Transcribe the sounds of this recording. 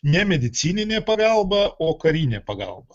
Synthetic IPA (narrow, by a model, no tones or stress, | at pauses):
nʲɛmʲɪd̪ʲɪt̪sʲinʲɪnʲepɐɡalˠbəʔokɐɾʲinʲɪpɐɡa̰lˠbə